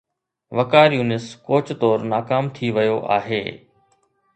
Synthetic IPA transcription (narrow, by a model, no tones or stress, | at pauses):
ʋɐkaːɾjuːnɪskoːt͡ɕt̪ɔːɾnaːkaːmt̪ʰiʋɐjoʔa̰ːɦeː